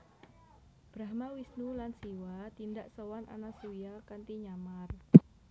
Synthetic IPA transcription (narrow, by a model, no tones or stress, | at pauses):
b̥ɾaɦmawisnulansiwat̪ind̪aʔsəwanʔa̰nasujakant̪iɲamar